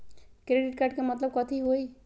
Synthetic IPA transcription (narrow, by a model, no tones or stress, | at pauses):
kɾeɖɪʈ̚kaɾɖ̚kemɐt̪ləb̚kɔt̪ʰiɦoi